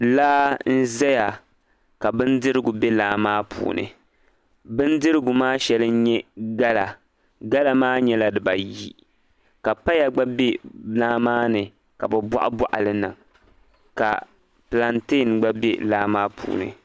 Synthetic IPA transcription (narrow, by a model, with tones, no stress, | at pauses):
laː˦n̩˦zɛ˦ja˨ | ka˨bɨ˦n˦dɨ˦ɾɨ˦ɡʊ˨bɛ˦laː˦maː˦pʰṵː˨nʔɨ̰˨ | bɨ˦n˦dɨ˦ɾɨ˦ɡʊ˨maː˦ʃɛ˨lɨ˦n̩˦ɲɛ˦ɡa˦la˨ | ɡa˦la˦maː˦ɲɛ˦la˦dɨ˨ba˨ji˦ | ka˨pa˦ja˨ɡ͡ba˦be˦laː˦maː˦nɨ˨ | ka˨bɨ˨ba̰˦ʔa˦bɔ˦ʔa̰˨lɨ˦nɨ˨ŋ | ka̰˨ | pla˨nte˦˨nɡ͡ba˦be˦laː˦maː˦pʰṵː˨nɨ̰˨